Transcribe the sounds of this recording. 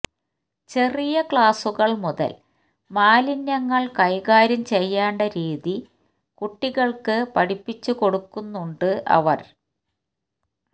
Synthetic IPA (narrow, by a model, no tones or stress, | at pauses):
t͡ɕe̞rijɐkɭaːsuɣɐɭmuðɐ̰l | maːlinjɐŋːɐɭkɐjɣaːɾɐmt͡ɕe̞jːaːɳɖɐɾiːði | kuʈːiɣɐɭkɨpɐɽipːit͡ɕːuko̞ɽukːunːuɳɖɨʔɐ̰ʋɐ̰r